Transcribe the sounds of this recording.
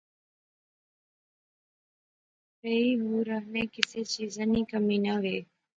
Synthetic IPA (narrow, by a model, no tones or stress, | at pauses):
peːiːɦuːɾəɦneːkɪseːt͡ʃiːzãːniːkəmiːnəʋeː